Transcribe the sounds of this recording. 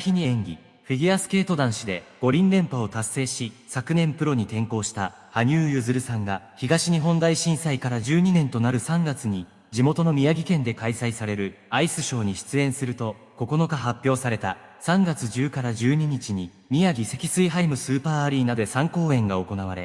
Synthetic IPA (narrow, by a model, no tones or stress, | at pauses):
çiɲ̟iẽ̞ŋɡʲḭ | ɸiɡʲiasɨ̥ke̞ːt̪o̞d̪ãɰ̃ɕid̪e̞ɡ̥o̞ɾʲĩnɾẽ̞mpao̞t̪asːe̞ːɕisakɯ̟nẽ̞mpɯ̟ɾo̞ɲ̟it̪ẽ̞ŋko̞ːɕi̥t̪a | haɲ̟ɨːjɯ̟zɨɾɯ̟sãŋɡaçiɡaɕiɲ̟iɦõ̞nd̪aiɕĩɰ̃saikaɾaʑɨːɲ̟inẽ̞nt̪o̞naɾɯ̟sãŋɡat͡sɨɲ̟i | d͡ʑimo̞t̪o̞no̞mʲijaɡʲikẽ̞nd̪e̞kaisaisaɾe̞ɾɯ̟aisɨɕo̞ːɲ̟iɕi̥t͡sɨẽ̞ɰ̃sɨɾɯ̟t̪o̞ | ko̞ko̞no̞kaɦapʲjo̞ːsaɾe̞t̪asãŋɡat͡sɨʑɨːkaɾad͡ʑɨːɲ̟iɲ̟it͡ɕiɲ̟i | mʲijaɡʲise̞kʲisɨiɦaimɯ̟sɨːpaːaɾʲiːnad̪e̞sãŋko̞ːẽ̞ŋɡao̞ko̞naβ̞aɾe̞̰